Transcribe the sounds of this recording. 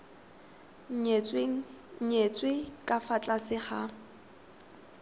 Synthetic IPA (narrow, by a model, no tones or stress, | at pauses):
t͡sʼweŋ̩ɲet͡sʼwɪkʼafat͡ɬʼasɪχa